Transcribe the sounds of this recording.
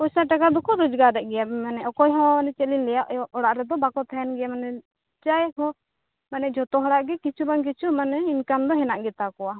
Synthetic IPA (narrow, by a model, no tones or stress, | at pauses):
usaʈakad̪ɔkɔɾud͡ʒɡaɾɛʔɡɛjamanɛʔɔkɔjɦɔ̃nɛt͡ʃɛlinlɛjaʔɔɽaʔɾɛd̪ɔbakɔt̪ʰaɛnɡɛjamanɛ | t͡ʃajkɔ | manɛʔd͡ʒɔt̪ɔɦɔɽaʔɡɛkit͡ʃʰubaŋk̬it͡ʃʰumanɛinkamd̪ɔɦɛnaʔɡɛt̪akɔwa